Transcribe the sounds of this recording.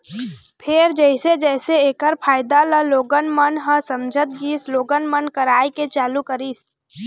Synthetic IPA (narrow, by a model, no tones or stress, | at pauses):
pʰeɾd͡ʒəɪsed͡ʒɛːseeːkəɾpʰaːɪd̪aləloːɡənmənɦəsə̃md͡ʒʱət̪̚ɡiːsloːɡənmənkəɾaːjket͡ʃaːlukəɾiːs